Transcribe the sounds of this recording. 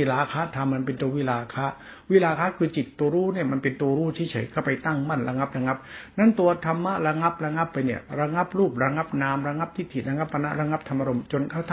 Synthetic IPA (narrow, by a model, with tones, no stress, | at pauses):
i˧˩laː˧kʰaː˦˥t̪ʰa˧mːa˧npe˧nt̪u˧ɐwi˦˥˩laː˧kʰaː˦˥ | wi˦˥laː˧kʰaː˦˥kʰɯː˧t͡ɕi˨˩t̪ːu˧ɾuː˦˥˨ni˥˩ɐma˧npe˧nt̪u˧ɐɾuː˦˥˩t̪ʰiː˥˩t͡ɕʰɤ̰˨˩˦jkʰaː˥˩pa˧jt̪a˥˩ŋma˥˩nɾa˧ŋa˦˥p̚ɾa˧ŋa˦˥p̚na˥˩nt̪u˧ɐt̪ʰa˧mːa˦˥ʔɾa˧ŋa˦˥p̚ɾa˧ŋa˦˥pːa˧jni˥˩ɐɾa˧ŋa˦˥p̚ɾuː˥˩p̚ɾa˧ŋa˦˥p̚naː˧mɾa˧ŋa˦˥p̚t̪ʰiː˦˥˩t̪ʰi˨˩ɾa˧ŋa˦˥pːa˧na̰˦˥ʔɾa˧ŋa˦˥p̚t̪ʰa˧mʔa˧ɾo˧mt͡ɕo˧nkʰa˥˩wt̪ʰa˥˨